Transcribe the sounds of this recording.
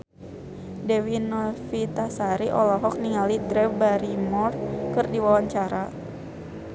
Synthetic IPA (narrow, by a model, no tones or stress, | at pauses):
dɛwinɔfit̪asaɾiʔɔlɔɦɔk̚niŋalidɾɛbaɾimɔrkɨrdiwawaɲt͡ʃaɾa